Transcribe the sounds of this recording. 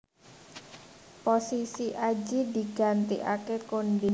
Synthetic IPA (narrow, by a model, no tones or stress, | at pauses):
posisiʔad͡ʒid̪i̤ɡ̥a̤nt̪ḭʔa̰kekondi